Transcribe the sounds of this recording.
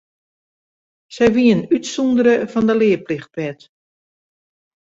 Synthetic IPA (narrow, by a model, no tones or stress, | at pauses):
sɛjʋiənytsɔndəɾəfɔndəlɪəplɪxt̚ʋɛt